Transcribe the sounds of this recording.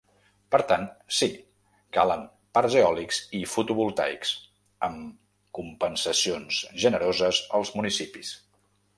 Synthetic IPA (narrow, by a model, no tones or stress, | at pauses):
pəɾt̪ansi | ka̰ləm | paɾʒeɔlikzifut̪uβulˠt̪a̰jks | əm | kumpənsəsionsʒənəɾozəzəlˠzmunisipis